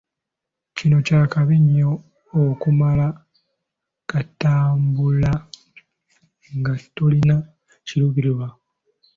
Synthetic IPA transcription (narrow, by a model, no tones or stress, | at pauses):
cino̞caːkaβiɲːoː | kumala | kataːmbula | ŋɡatulina | ciɾuβiɾuβa